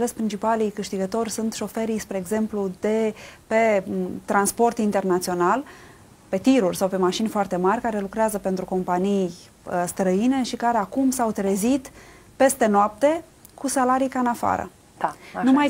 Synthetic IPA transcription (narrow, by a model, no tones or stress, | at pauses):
lespɾint͡ʃipalijkɨʃt̪iɡət̪o̞rʲsunt̪ʃo̞fe̞ɾijspɾe̞ːɡze̞mplud̪e̞pet̪ɾanspo̞rt̪int̪e̞rnat̪sio̞nal | pe̞t̪iɾurʲsawpe̞maʃinʲfoart̪e̞marʲkaɾe̞lukɾeazəpe̞nt̪ɾuko̞mpanij | st̪ɾəine̞ʃikaɾeakumsawt̪ɾe̞zit̪ | pe̞st̪e̞noap̚t̪e̞ | kusalaɾijkaɨnafa̰ɾə̰ | numaj